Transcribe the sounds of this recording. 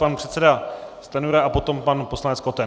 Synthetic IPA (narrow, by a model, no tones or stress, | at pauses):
panpr̥ɛt̪sɛdast̪anuɾaʔapo̞t̪o̞mpanpo̞slanɛtt͡skot̪ɛ